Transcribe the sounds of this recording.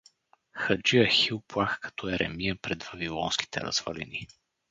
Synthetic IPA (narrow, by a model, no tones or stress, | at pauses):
xɐd͡ʒiəxilˠplˠaxkɐ̥t̪ʰɔɛɾʔɛ̰mijəpɾɛd̪vɐvilˠɔnsk̟i̥t̪ʰɛ̰ɾə̰z̥vɐ̰lɛ̰ni